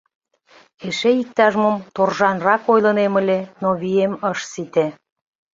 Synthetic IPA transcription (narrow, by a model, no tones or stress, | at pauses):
eʃeik̚t̪ɑʒmumt̪orʒɑnrɑkojlə̆nemə̆lʲenoβieməʃsit̪e